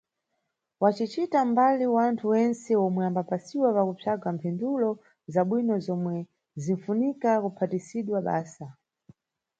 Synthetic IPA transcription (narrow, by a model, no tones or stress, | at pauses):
wat͡ʃit͡ʃitambaliwantʰuwɛnsɛɔmwɛambapasiwapakupʰaɡampʰɛndulɔ | zaɓwinɔzɔmwɛ | ziɱfunikakupʰatisiɗwaɓa̰ːsa